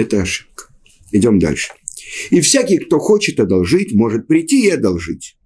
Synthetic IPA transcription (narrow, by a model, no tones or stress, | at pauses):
ɛt̪əɐʂɨ̥p̚kə̥ | ɪdʲo̞md̪a̰lʲʂɨ̥ɪfsʲakʲɪjkt̪o̞xo̞t͡ɕɪt̪ɐd̪ɐlˠʐɨtʲmo̞ʐɨt̪̚pɾʲɪtʲːiɪɐd̪ɐlˠʐɨtʲ